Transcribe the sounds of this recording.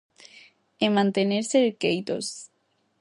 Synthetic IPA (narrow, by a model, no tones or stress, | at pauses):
emãnt̪eneɾseðekejt̪o̰s